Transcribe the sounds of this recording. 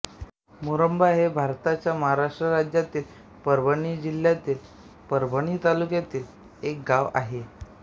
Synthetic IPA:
muɾəmbaɦebʱaɾt̪at͡ɕjaməɦaɾaʂʈɾəɾad͡ʑjat̪iːl | pəɾbəɳ̃id͡ʑiljat̪iːl | pəɾbʱəɳ̃iːt̪alukjat̪iːl | ek̚ɡaʋa̰ɦe

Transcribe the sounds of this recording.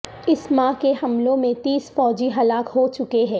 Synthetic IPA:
ɪsmãːkehɐmlõmẽt̪iːsfɔːd͡ʒiɦɐlaːkɦoːt͡ʃʊkeɦɛ̃ː

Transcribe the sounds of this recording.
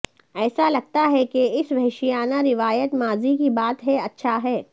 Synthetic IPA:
ɛːsalɐɡ̚t̪aɦɛkeɪsʋɛɦɪʃijaːnaɾɪʋaːjət̪maːzikibaːt̪ɦɛɐtːʃʰaɦɛː

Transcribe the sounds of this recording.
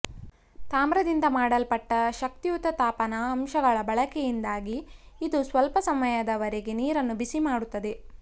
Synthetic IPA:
t̪aːmɾɐd̪ind̪ɐmaːɽɐlpɐʈːɐʃɐk̚t̪ijut̪ːɐt̪aːpɐnɐːmʃɐɡɐɭɐbɐɭɐkɛjind̪aːɡiːd̪usʋɐlpɐsɐmɐjɐd̪ɐʋɐɾeɡe̞niːɾɐnːubisimaːɽut̪ːɐd̪e̞

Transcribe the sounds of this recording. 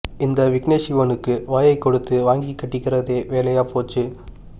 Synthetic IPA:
ɪnd̪ɐʋɪkneːʂiʋɐnɯkːɯʋaːjɐɪkːɔɽɯt̪ːɯʋaːŋɡikːɐʈːɪkːɪɾɐðeːʋeːlɐjaːpoːt͡ʃːɯ

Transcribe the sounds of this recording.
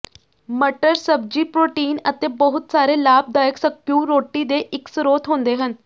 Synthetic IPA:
məʈəɾsəb̚d͡ʑiːpɾoːʈiːnət̪ebəɦut̪saɾelaːb̚d̪aːjəksəkjũɾoːʈːid̪eʔɪksɾoːt̪ɦõːnd̪eɦən

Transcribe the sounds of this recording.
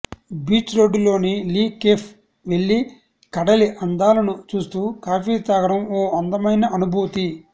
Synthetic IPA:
biːt͡ʃɾo̞ːɖulo̞ːniliːkeːpʰ | ʋe̞ɭːi | kɐɽɐliʔɐnd̪aːlɐnut͡ʃuːst̪uːkaːpiːt̪aːɡɐɽɐmoːɐnd̪ɐmɐjnɐʔɐnubʱuːt̪i

